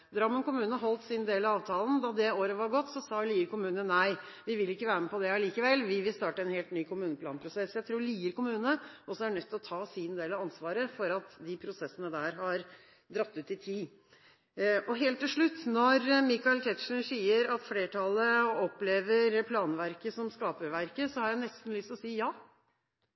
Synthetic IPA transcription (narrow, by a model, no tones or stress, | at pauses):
d̪ɾɑmːənkʊmʉːnəɦɔlt̪sɪnd̪eːlɑʋɑːʋt̪ʰɑːln̩d̪ɑd̪ɛoːɾəʋɑɾɡɔt̪ːsɔsɑːliːəɾkʊmʉːnənæɪʋɪʋɪlːɪkːəʋæːɾməpɔd̪ɛɑliːkəʋɛlʋɪʋɪlst̪ɑːʈəɛnheːlt̪nyːkʰʊmʉːnəpʰlɑːnpʰɾʊsɛsjæɪt̪ʰɾuːɾɭiːəɾkʊmʉːnəɔsɔæɖnœt̪ːɪlɔt̪ʰɑːsɪnd̪eːlɑʋɑnsʋɑːɾəfɔɾɑt̪d̪ɪpʰɾʊsɛsːənəd̪æːɾɦɑɾ | d̪ɾɑt̪ːʉt̪ɪt̪ʰiː | ɔɦeːlt̪ːɪlʂɭʉt̪ːnɔɾmɪkɑɪlt̪ʰɛt̪ʂəɳ̩siːəɾɑt̪fleːʈʰɑləɔpːleːʋəɾpʰlɑːnʋæɾkəsɔmskɑːpəɾʋæɾkəsɔhɑɾjæɪnɛst̪n̩lʏst̪ɔsiːjɑː